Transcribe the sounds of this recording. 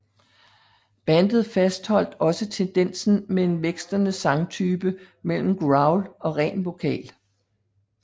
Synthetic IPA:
b̥ænd̥ð̞̩ˠfæsd̥hɒ̽l̰d̥ɒ̽sət͡sʰend̥en̰sn̩mee̝nʋeɡ̥sd̥ɐnəsɑ̈ŋt͡sʰyːb̥ə | mel̰m̩ɡ̥ʁɑ̈ʊlɒ̽ʁɛ̰ːnʋo̝kʰɛ̰ːl

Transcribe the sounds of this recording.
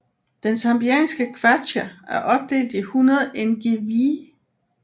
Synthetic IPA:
d̥ensɑmb̥iɛ̰nsɡ̥əkʰʋædææɐʔɒ̽b̥̚d̥e̝̰ːld̥ihunɐð̞ˠenɡ̥e̝ʋi

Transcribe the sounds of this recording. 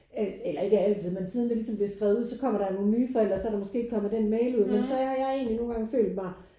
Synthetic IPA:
æelɐe̝ɡ̥əæl̰t͡sʰið̞̰ˠmensiːð̞ˠnd̥elisɒ̽mb̥liesɡ̥ʁɛːʊð̩ˠuð̰ˠsɒ̽kʰɒ̽m̰ɐɾ̥ɑno̝ːnnyːfɒel̰dʁɐsɒæɾɑmɒ̽sɡ̥e̝̰ːeɡ̥kʰɒ̽m̩d̥enmeɪluð̞̰ˠmensɒ̽hɑ̈jɑ̈ɪe̝̰ːnlino̝ːnɡɑ̈ŋfø̰ːld̥mɑ̈ɪ

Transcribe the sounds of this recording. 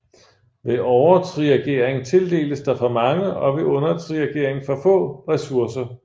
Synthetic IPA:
ʋe̝ʔɒʊɐt͡sʰʁiʁɛɡ̥e̝ɐ̰eŋt͡sʰe̝ld̥e̝̰ːləsd̥ɑ̈fɒ̽mɑ̈ŋəɒ̽ʋe̝ʔɔ̽nɐt͡sʰʁiɛɡ̥e̝ːɐ̰eŋfɒ̽fɔ̰̽ːʁɛsuɐsɐ

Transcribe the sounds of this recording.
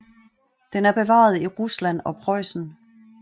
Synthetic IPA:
d̥enæɐb̥e̝ʋɑ̰̈ːð̞̩ˠiʁuslæn̰ɒ̽pʰʁɒɪ̰sn̩

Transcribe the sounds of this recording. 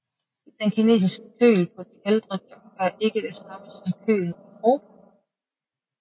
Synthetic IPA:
d̥enkʰine̝̰ːsisɡ̥ə̥kʰø̰ːlpʰɒ̽d̥iheld̥ʁəb̥jɒ̽ɡ̥æɐʔe̝ɡ̥əd̥esɑməsɒmkʰø̰ːl̩ɒʁoːbæ

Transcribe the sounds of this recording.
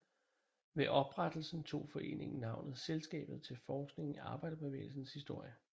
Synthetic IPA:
ʋeʔɒ̽b̥ʁad̥l̩sn̩t͡sʰo̝̰ːfɒ̽e̝̰ːne̝ŋ̩nɑ̈ʊnð̩ˠselsɡ̥ɛ̰ːb̥ð̞̩ˠt͡sʰe̝lfɒːsɡ̥ne̝ŋiɑ̈ːb̥ɑ̈ɪ̰d̥ɐb̥eʋḛːɪl̩sn̩shisd̥o̝ɐ̰jə

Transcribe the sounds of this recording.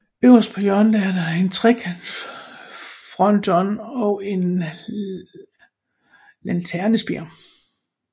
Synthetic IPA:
øʊɐspʰɒ̽jœɐnd̥ææɐdɑe̝nt͡sʰʁɛɡ̥ʰæn | fʁɒ̽nd̥ɒnɒ̽e̝n | lænt͡sʰæɐnəsb̥iɐ̰

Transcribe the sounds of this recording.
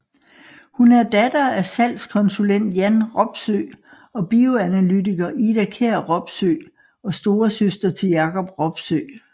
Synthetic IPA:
hunæɐd̥æd̥ɐæsæl̰skʰɒ̽nsulen̰d̥jænʁɒ̽b̥sø̰ | ɒ̽b̥io̝ænælydiɡ̥ɐʔid̥ækʰeɐ̰ʁɒ̽b̥sø̰ː | ɒ̽sd̥o̝ːɐsøsd̥ɐt͡sʰe̝jɑ̈kʰɒ̽b̥ʁɒ̽b̥søː

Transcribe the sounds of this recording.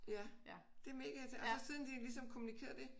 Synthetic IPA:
jæ | d̥e̝me̝ːɡ̥æt͡sʰeɒsɒ̽siðˠnd̥ilisɒ̽mkʰo̝munikʰe̝ːɐd̥e̝

